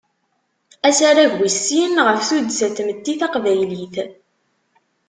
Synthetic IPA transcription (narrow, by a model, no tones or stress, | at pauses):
æsaɾaʝwisːinʁəfθud̪sæθməd̪ːiθɑqvæjliθ